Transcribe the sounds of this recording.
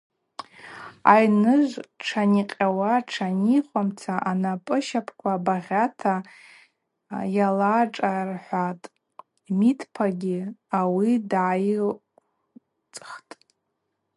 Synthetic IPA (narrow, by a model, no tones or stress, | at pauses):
a̰jnɨʒʷʈ͡ʂʰaniqʲʼawaʈ͡ʂʰaniχʷamt͡sʰaʔanapʼɨʃapʰkʷʰabaʁʲatʰa | jalaʈ͡ʂʼarħʷatʼ | mitʰpʰaɡʲiawidʕaj | t͡sʼχtʼ